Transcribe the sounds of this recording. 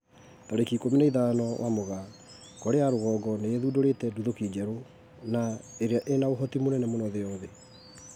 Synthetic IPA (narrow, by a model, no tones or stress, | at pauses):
taɾekikominaiðanɔwʔamoɣa | kɔɾeaɾoɣɔːɡɔneeðudoɾetɛduðokid͡ʑɛɾo | naeɾeaʔenaoɦɔtimonɛnɛmonɔðeɔðɛ